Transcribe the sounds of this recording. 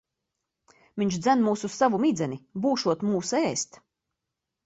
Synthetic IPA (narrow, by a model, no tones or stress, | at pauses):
viɲt͡ʃd̪zænmuːsussavumid̪zɛnibuːʃuɔt̪muːsɛːst̪